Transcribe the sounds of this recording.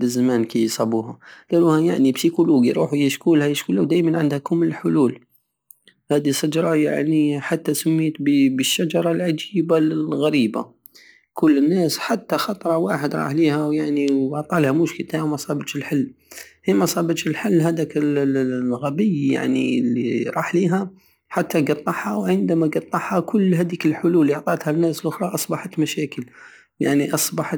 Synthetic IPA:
bəzːamæːnkijsˤɑbuhalæluhæjaʕnibsikuluɡiɾṵːħujəʃkuːlhæjəʃkulæwd̪æjmænʕənd̪hækʊmːəlħʊluːl | hæːd̪isad͡ʒɾˤɑja̰ʕniħat̪ːæsʊmːiːt̪bbəʃːad͡ʒɑɾˤɑlʕad͡ʒiːbaɣæɾiːba̰ | kʊlːənːæːsħat̪ːaxɑt̪ˤɾˤɑwaːħəd̪ɾˤɑ̰ːħliːhæwjaʕniwʕt̪ˤɑːlhamʊʃkət̪awmɑsˤɑːbət̪ʃɪlħɪlː | himɑsˤɑːbət̪ʃɪlħɪlːɦæd̪ækɪlːɣabɪjja̰ʕnilːiɾˤɑːħliːɦa | ħat̪ːaɡɑt̪ˤːɑħhɑwʕɪnd̪amaɡɑt̪ˤːɑħhɑkʊlːhæd̪iːkəlħʊluːlːiʕt̪ˤɑːt̪hanːæːsəlʔʊxɾˤɑʔɑsˤbɑħat̪maʃæːkəl | jaʕniʔɑsˤbɑħ

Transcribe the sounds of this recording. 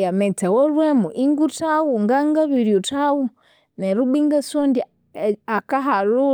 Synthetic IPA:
jamet͡sewolwemuʔiŋɡutawuŋɡaŋɡaβiɾjutawu | neɾubiŋɡasondi | akaɦalu

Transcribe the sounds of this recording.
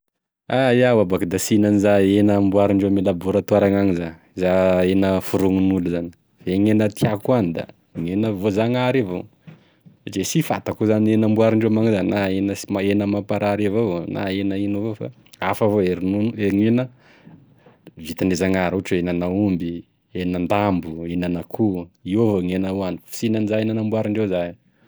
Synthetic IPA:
ajawabakd̪asinanizaenəmbuaɾiɳɖ͡ʐemelabuɾat̪uaɾaŋaŋizan | zaenəfuɾuŋinuluzani̥ | veŋenət̪iakuanid̪a̰ | ɲenəvozaŋaɾivo | saʈ͡ʂesifa̰t̪akuzanenambuaɾiɳɖ͡ʐemaŋzannaenəsmaenəmapaɾaɾevona̰enəinuvofa̰ | afavoeɾinuneɾŋinə | vit̪anezaŋaɾuʈ͡ʂenanaumbi | enənd̪ambuenanakʰuiovoŋenauanifi̥sinanizaenanambwaɾiɳɖ͡ʐezaj

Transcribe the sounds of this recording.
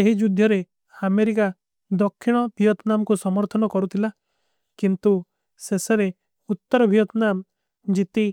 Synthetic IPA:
eɦid͡ʒud̪ʱjɔɾe | ameɾika | d̪ɔkʰːiɽ̃ɔbʱijɔt̪namɔkusɔmɔɾt̪ʰɔnɔkɔɾut̪ʰila | kint̪u | seseɾe | ut̪ːɔɾɔbʱijɔt̪nam | d͡ʒit̪i

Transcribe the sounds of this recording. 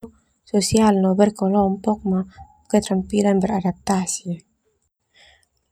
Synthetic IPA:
sosialnɔbɛrkɔlɔmpɔk̚ma | kɛt̪ɾampilanbəradap̚t̪asi

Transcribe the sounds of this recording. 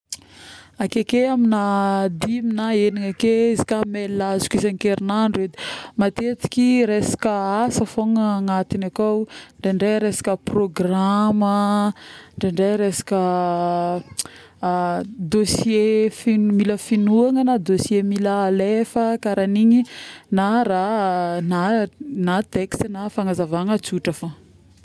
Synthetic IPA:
akekeaminad̪iminaeniŋakeizi̥kamelːazu̥kʲizaŋikeɾinaɳɖ͡ʐed̪emat̪et͡si̥kʲiɾesḁkəasəfoŋəːŋat̪inakawɳɖ͡ʐeɳɖ͡ʐeɾesḁkəproɡramə | ɳɖ͡ʐeɳɖ͡ʐeɾesḁkə | d̪osjefinmiləfinuaŋənad̪osjemiləalefəkaɾaniɲinaɾananat̪ekst̪nafaŋazavaŋət͡suʈ͡ʂafa

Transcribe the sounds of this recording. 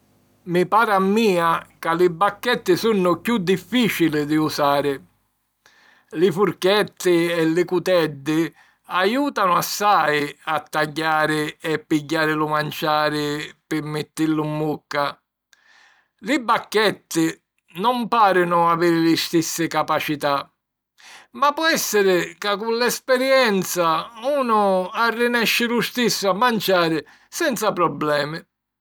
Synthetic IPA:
mɪpaːɾamːiːakalɪbːakːɛt̪ːɪsunːʊkjud̪ːifːiːt͡ʃilɪd̪ɪusaːɾɪ | lɪfuɾkɛt̪ːɪɛlɪkut̪ɛd̪ːɪ | ajuːt̪anʊasːajat̪ːaɟːaːɾɪɛpːiɟːaːɾɪlʊmant͡ʃaːɾɪpɪmːɪt̪ːilːʊmːukːa | lɪbːakːɛt̪ːɪ | nɔmpaːɾɪnʊaviːɾɪlɪst̪isːɪkapat͡ʃit̪a | mapːɔɛsːɪɾɪkakːulːɛspɛɾjɛnt̪sauːnʊarːɪnɛʃːɪlʊst̪isːʊamːant͡ʃaːɾɪ | sɛnt̪sapɾɔblɛːmɪ

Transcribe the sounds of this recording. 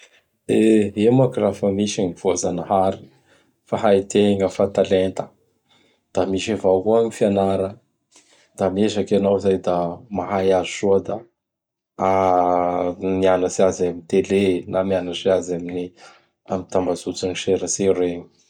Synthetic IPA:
d̪eemakirafəmiʃaɲiv̥ozanəhaɾi̥ | faɦait̪eŋəfat̪alent̪ə̥ | d̪̥amiʃavakuaɲifianaɾə | d̪̥amiezakanowizajd̪amaɦajazusuəd̪a | a | mianəsiazamit̪elenamianəseazamini | amit̪ambazut͡saniʃeɾəseɾeɲi̥

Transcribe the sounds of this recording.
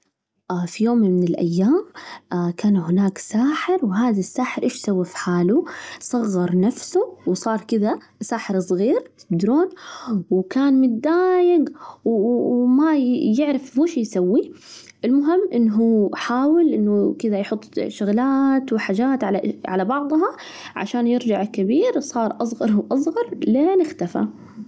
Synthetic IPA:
ʔfijoːmmɪnɪlʔa̰jːaːmkaːnhɪnaːksaːħɪɾwɦaːðasːaːħɪɾʔeːʃsawːafħaːlusˤɑɣːɑɾˤnafsʊwsˤɑːɾˤkɪða | saːħɪɾɨsˤɣiːɾt̪ɪ̥b̚d̪ɾoːnwkaːnmʊt̪̚d̪aːjɪɡwmajɪʕɾɪfmuːʃjsawːi | ʔɪlmʊɦɪmːʔɪnːɦuːħaːwɪlʔɪnːukɪðajħʊt̪ˤːʃʊɣlaːt̪wɪħaːd͡ʒaːt̪ʕalaʕa̰labɑʕd̪ˤɦɑ | ʕa̰ʃaːnjɪɾd͡ʒaʕkɪbiːɾsˤɑːɾˤʔɑsˤɣɑɾˤwʔɑsˤɣɑɾˤleːnɪxt̪afa̰

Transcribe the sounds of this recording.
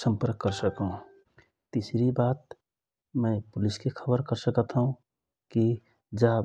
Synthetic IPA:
sə̃mpəɾkːəɾsəkɦũ | t̪isɾibaːt̪ | mɛ̃pʊlɪskexʰəbəɾkəɾsəkət̪ɦũ | ki | d͡ʒa

